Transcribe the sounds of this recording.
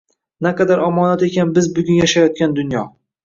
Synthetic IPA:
naqɑd̪aɾɒmɒnat̪ekʲanbɪzbʊɡʲʊnjaʃajɒt̪̚kʲand̪ʊnjɒ

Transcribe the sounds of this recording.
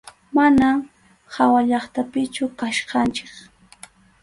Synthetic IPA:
manam | hawaʎɑχt̪apɪt͡ʃʊkaʃqɑnt͡ʃɪ̥k

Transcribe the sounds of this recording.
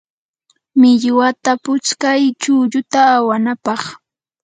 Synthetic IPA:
mɪʎwat̪apʊt͡ʃkajt͡ʃʊːʎʊt̪aːwanapɑχ

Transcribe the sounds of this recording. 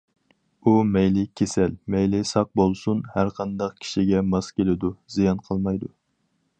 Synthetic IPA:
umɛjlɪkʲʰesɛlmɛjlɪsɑq̚bolˠsunhæɾqʰɑnd̪ɑqkʲʰi̥ʃiɡʲɛmɑskʲelɪd̪uzijɑnqʰəlˠmɑjd̪u

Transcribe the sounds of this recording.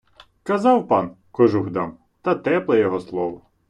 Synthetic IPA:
kɐzɑwpɑn | kɔʒuɦd̪ɑm | t̪ɐt̪ɛplˠɛjɔɦɔslˠɔʋɔ

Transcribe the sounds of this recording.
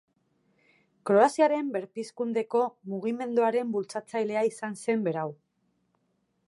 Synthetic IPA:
kɾo̞asiaɾe̞mbe̞ɾpiskund̪e̞ko̞muɣ̞ime̞nd̪uaɾe̞mbult͡sat͡sajle̞aisanse̞mbe̞ɾaw

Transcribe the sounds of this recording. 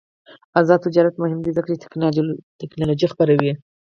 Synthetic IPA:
azɑd̪̚t̪ɪd͡ʒɑɾat̪mʊhɪmd̪izəkɾ | t̪ɪknɑlod͡ʒixpaɾawi

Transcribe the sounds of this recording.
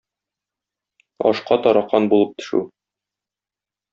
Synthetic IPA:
ɒ̰ʃqɑt̪ɒɾɑqɑnbulˠɤp̚t̪ɵ̥̆ʃʉ̰

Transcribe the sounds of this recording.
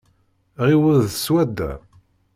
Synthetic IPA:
ʁiwəðswæd̪ːæ̰

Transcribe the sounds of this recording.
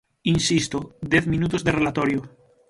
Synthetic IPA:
insist̪od̪jeθmĩnut̪ozðerelat̪oɾjo

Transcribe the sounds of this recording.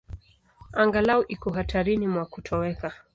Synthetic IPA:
aŋɡalauʔikɔɦatʰaɾinimwakutʰɔwɛka

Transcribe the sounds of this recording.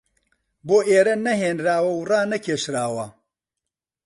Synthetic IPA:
boːʔeːɾɐnɐɦeːnɾaːwɐwraːnɐkʰeːʃɾaːwɐ

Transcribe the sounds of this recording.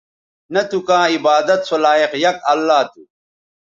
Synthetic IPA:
nɐt̪ukãːibaːd̪ɐt̪sɐlaːiqjɐkɐlːaːt̪u

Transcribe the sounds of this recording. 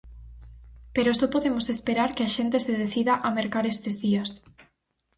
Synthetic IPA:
peɾosopoðemosespeɾaɾkeaʃent̪eseðeθiðaʔameɾkaɾest̪ezðias

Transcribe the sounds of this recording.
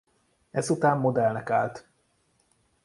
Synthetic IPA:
ɛzut̪aːmːo̞d̪ɛlnɛkaːlt̪

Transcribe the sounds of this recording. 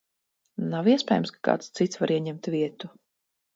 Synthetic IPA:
nawiɛspʲɛːjumskḁka̰ːt̪st̪sit̪svaɾiɛɲɛmt̪vʲiɛt̪u

